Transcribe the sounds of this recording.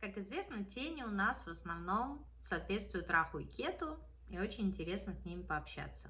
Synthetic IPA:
kakɪzvʲe̞snətʲenʲɪʊnasvəsnɐvno̞m | sɐːt̪vʲet̪st̪vʊjʊt̪ːɾʔaxʊɪ̰kʲet̪ʊ | io̞t͡ɕɪnʲɪnʲtʲɪɾʲe̞snəsʲnʲimʲɪpəɐpɕːæ̰t̪sːə

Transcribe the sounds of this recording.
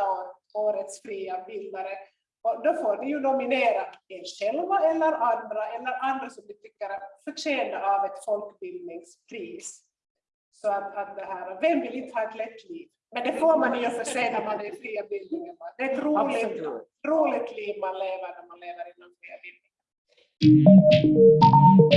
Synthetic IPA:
ɑː | uːɾət̪sfɾiːabɪld̪aɾə | ɔd̪ofoːɖɪjʉd̪ɔmɪneːɾaeːɾɕɛlvaɛlːəɾand̪ɾaɛlːəɾand̪ɾasɔmd̪ɪt̪ʰʏkːəɾat̪fœʂeːnaavɛt̪fɔlkbɪld̪nɪŋspʰɾiːs | sɔat̪at̪̚d̪ɛɦæːɾavɛmvɪlɪnt̪ːəhʰɑːɛt̪lɛt̪ːliːv | mɛnd̪ɛfoːɾmanɪɲɔfɔʂɛːnæɾmand̪ɛfɾiːabɪld̪nɪŋənad̪ɛɛt̪ɾuːlɪ | ɾuːlɪɡ̚t̪liːvmanleːvəɾnæɾmanleːvəɾɪnɔnfɾiːabɪmːɪŋa

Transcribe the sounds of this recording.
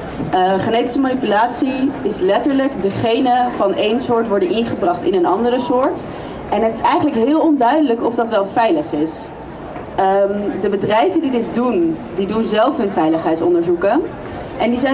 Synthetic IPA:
əχənejtə̥səmanipylaːtsiɪslɛtəɹləkdəχejnəvɑnʔejnsʊːɹtʋɔɹdənʔɪnχəbrɑχtɪ̰nənɑndərəsʊːɹt | ɛnɦətɪsɛjχənləkɦɪːlˠɔndœɥdələkɔfdɑtʋɛlˠvɛjləχɪs | dəbədrɛjvəndidɪt̚dundidunzɛlˠfɦɵnvɛjləχɦɛjtsɔndəɹzukə | ʔɛndizɛ

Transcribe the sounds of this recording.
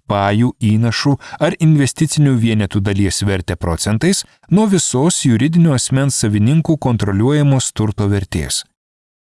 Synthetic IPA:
pɑːjuːiːnɐʃuːɐɾɪnʲʋʲɛsʲt̪ʲɪt̪sʲɪnʲuːʋʲiɛnʲɛt̪uːd̪ɐlʲiɛsʋʲɛɾʲt̪ʲɛpɾɔt̪sʲɛnt̪ɐɪs | nuɔʋʲɪsoːsjʊɾʲɪd̪ʲɪnʲuːɐsʲmʲɛnsːɐʋʲɪnʲɪŋkuːkɔnt̪ɾɔlʲuɔjɛmoːst̪ʊɾt̪oːʋʲɛɾʲt̪ʲḛːs

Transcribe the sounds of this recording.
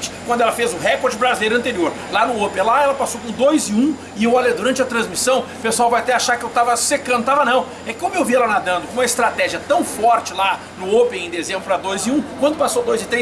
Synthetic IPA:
t͡ʃɪ̥kwɐ̃nd̪ʊɛlɐfezʊɦɛkoɾd͡ʒɪbɾazilejɾʊɐ̃nt̪eɾioɾ | lanʊopẽlaɛlɐpasowkõd̪ojzɪũ | ɪewalejd̪uɾɐ̃nt͡ʃɪɐt̪ɾɐ̃zmisɐ̃w̃pesʊawvajaɐt̪ɛaʃaɾkɪewt̪avɐsekɐ̃d̪ʊt̪avɐnɐ̃w̃ | ɛkɪewmʊowviɛlɐnad̪ɐ̃nd̪ʊkõũmɐɪst̪ɾat̪ɛʒiɐt̪ɐ̃w̃fɔɾt͡ʃɪla | nʊopẽẽd̪ezẽmbɾʊpɾad̪ojzɪũkwɐ̃nd̪ʊpasowd̪ojzɪt̪ɾe

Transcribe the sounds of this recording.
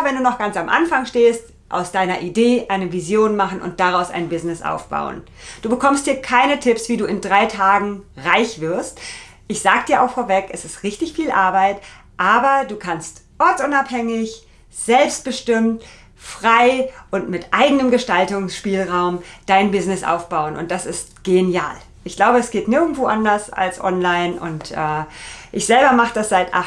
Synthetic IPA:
vɛnduːnɔχɡ̥ant͡samʔa̰nfaŋʃteːst | ʔa̰ʊsd̥aɪnɐʔideːʔaɪnəvizjoːnmaχn̩ʊ̰nt̚d̥aʁaʊsa̰ɪnbɪznɪsʔa̰ʊfb̥a̰ʊə̰n | d̥uːbəkʰɔmst̚d̥iːɐkʰaɪnətʰɪpsv̥iːduːɪndʁaɪtʰaːɡŋ̩ʁaɪçv̥ɪɐst | ʔɪçz̥aːɡədiːɐʔa̰ʊxfoːɐvɛkɛsɪstʁɪçtɪçfiːlʔa̰ɐbaɪt | ʔaːbɐduːkʰanstʔɔɐtʔʊnaphɛŋɪç | z̥ɛlpst̚b̥əʃtɪmt | fʁ̥aɪʔʊntmɪtʔaɪɡənəmɡəʃtaltʊŋsʃpiːlʁaʊmd̥aɪnbɪznɪsʔa̰ʊfb̥aʊənʔʊ̰nt̚d̥asɪstɡ̥enja̰ːl | ʔɪçɡ̥laʊbəɛsɡ̥eːtnɪɐɡŋ̩tv̥oːʔandɐsa̰lsʔɔ̰nlaɪnʔʊ̰ntʔɛːʔɪçz̥ɛlbɐmaχəd̥asz̥aɪtʔa̰

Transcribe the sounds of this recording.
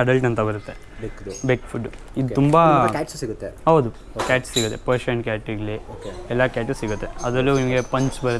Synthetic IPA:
ɐɖɐlʈɐnt̪ɐbɐɾut̪ːe̞ | bekfʰuɖː | id̪ut̪umbɐkʲːʈssiɡut̪ːeɦɐwd̪u | kʲæːʈssiɡut̪ːepɐɾʃɐɳkʲæːʈiɡliokɛlːɐkʲæːʈːssiɡut̪ːe̞ɐd̪ɐlːuimɡepɐɲt͡ʃbɐɾut̪

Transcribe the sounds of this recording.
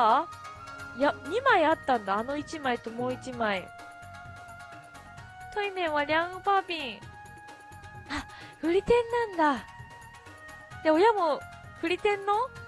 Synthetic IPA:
jaɲ̟imaiat̪ːãnd̪aːno̞it͡ɕimait̪omo̞ːit͡ɕimai | t̪oinẽ̞ɰ̃βaɾʲãɡɯpapʲĩŋ | a | ɸɯ̟ɾʲit̪ẽ̞nːãnd̪a | d̪̥eo̞jamo̞ | ɸɯ̟ɾʲit̪ẽ̞nːo̞

